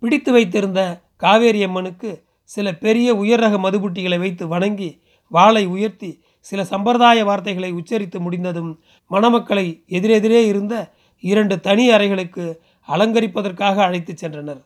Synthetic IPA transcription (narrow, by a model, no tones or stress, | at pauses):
pɪɽɪt̪ːɯʋɐɪt̪̬ːɪɾɯnd̪ɐ | kaːʋeːɾɪjɐmːɐnɯkːɯ | sɪlɐpɛɾɪjɐʊjɐɾɐɣɐmɐðɯbɯʈ̬ːɪɣɐɭɐɪʋɐɪt̪̬ːɯʋɐɳɐŋɡi | ʋaːɭɐɪʊjɐɾt̪i | sɪlɐsɐmbɐɾðaːjɐʋaːɾt̪ɐɪɣɐɭɐɪʊt͡ʃːɐɾɪt̪ːɯmʊɽɪnd̪ɐðɯmː | ɐnɐmɐkːɐɭɐɪɛðɪɾɛðɪɾeːɪɾɯnd̪ɐ | ɪɾɐɳɖɯt̪ɐnɪɐɾɐɪɣɐɭɯkːɯ | ɐlɐŋɡɐɾɪpːɐðɐrkaːɣɐːɻɐɪt̪ːɯt͡ʃːɛndrɐnɐɾ